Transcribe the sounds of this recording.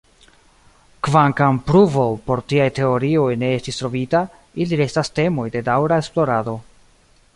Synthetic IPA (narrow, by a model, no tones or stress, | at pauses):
kvaŋkampɾuvo̞po̞ɾtiajte̞o̞ɾio̞jne̞estistɾo̞vita | iliɾe̞staste̞mo̞jde̞dawɾae̞splo̞ɾado̞